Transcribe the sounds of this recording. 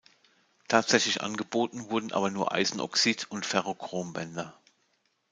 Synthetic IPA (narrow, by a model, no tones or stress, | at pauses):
tʰaːtz̥ɛçlɪçʔa̰nɡəboːtn̩vʊɐdn̩ʔa̰ːbɐnuːɐʔa̰ɪzn̩ʔɔ̰ksitʰʊntfɛʁ̞okʁ̥oːmbɛndɐ